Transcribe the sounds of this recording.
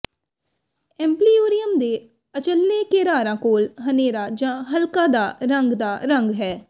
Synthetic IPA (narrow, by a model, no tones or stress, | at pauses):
ɛ̃ːmpliːoːɾɪjəmd̪eː | ət͡ʃəlːekeːɾaːɾãːkoːlɦəneːɾad͡ʒãːɦəlkãːd̪aːɾə̃ŋɡd̪aːɾə̃ŋɡɦɛː